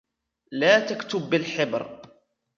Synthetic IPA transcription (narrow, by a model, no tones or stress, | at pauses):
laːt̪akt̪ʊbːɪlħɪbɾ